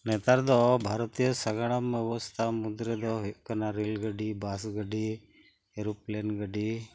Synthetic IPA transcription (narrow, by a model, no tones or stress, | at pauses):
nɛt̪aɾd̪ɔbʱaɾɔt̪ijəsaɡaɽ̃amːɛbɔst̪ʰamud̪ɾɛd̪ɔɦuʔkanaɾilɡəɖibasɡəɖi | ɛɾuplɛnɡəɖi